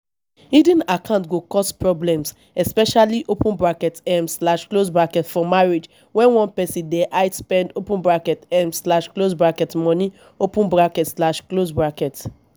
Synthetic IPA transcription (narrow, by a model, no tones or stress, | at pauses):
idĩnakʰãntɡokɔspɹɔblɛ̃ms | ɛspɛʃaliʔopũnbɹakɛtɛmsslaʃklosbɹakɛtfɔmaɹed͡ʒ | wɛ̃nwɔ̃npɛsĩdɛʔaɪspɛ̃ndopũnbɹakɛtɛ̃msslaʃklosbɹakɛtmɔ̃nĩ | opũnbɹakɛtslaʃklosbɹakɛt